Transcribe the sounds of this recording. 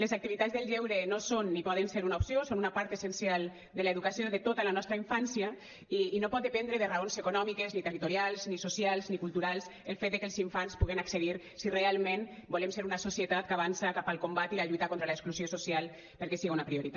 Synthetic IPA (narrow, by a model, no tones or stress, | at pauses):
lezak̚t̪iβit̪ad͡zzðelˠʎɛwɾenosonːipɔð̞enseɾunaupsiosonunapaɾt̪esensialˠ | d̪əlaeðukasioðet̪ot̪alanɔst̪ɾaiɱfansja | iːnopɔt̪̚d̪epɛnd̪ɾeðeraonzekunɔmikeznit̪erit̪uɾialˠznisosjalˠznikulˠt̪uɾalˠselˠfet̪̚d̪ekelˠziɱfanspuɣenakseðiɾ | sirealˠmẽnbolemseɾunasosiət̪at̪̚kaβansakapalˠkombat̪ilaʎujt̪akont̪ɾalaekskluzjososialˠ | pəɾkɛsiɣiunapɾioɾit̪a